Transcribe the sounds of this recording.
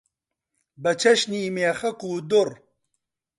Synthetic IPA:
bɐt͡ʃʰɐʃniːmeːxɐkuːd̪ʊɾ

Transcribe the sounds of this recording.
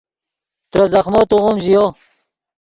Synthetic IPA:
t̪ɾɐzɐχmoːt̪uʁumʑijo

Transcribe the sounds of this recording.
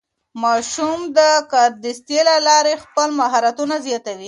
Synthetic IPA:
mɑʃumd̪əkɑɾd̪ist̪jelalɑɾexpəlmaɦɑɾat̪unazjɑt̪awi

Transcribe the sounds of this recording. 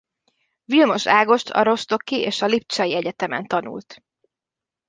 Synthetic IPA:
vilmo̞ʃaːɡo̞ʃt̪ʰɒ̰ɾo̞ʃt̪o̞kieːʃɒlip̚t͡ʃɒjiɛɟɛt̪ɛmɛ̰nt̪ɒnṵlt̪

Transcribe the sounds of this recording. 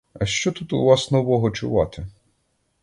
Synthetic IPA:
ɐʃt͡ʃɔt̪ut̪ʊʋɑsnɔʋɔɦɔt͡ʃʊʋɑt̪ɪ

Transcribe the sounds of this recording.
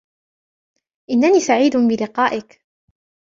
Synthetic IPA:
ʔɪnːaniːsaʕiːd̪ʊbɪlɪqɑːʔɪk

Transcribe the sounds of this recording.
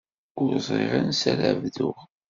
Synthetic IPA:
ʊɾzˤḭʁansælə̰vðʊʁ

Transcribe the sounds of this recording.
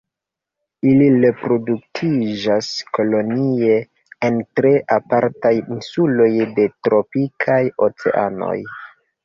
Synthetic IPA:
iliɾe̞pɾo̞duk̚tʰid͡ʒasko̞lo̞nie̞ | entɾe̞ʔapaɾtajinsulo̞jde̞tɾo̞pikʰajo̞t͡se̞̰ʔa̰no̞̰j

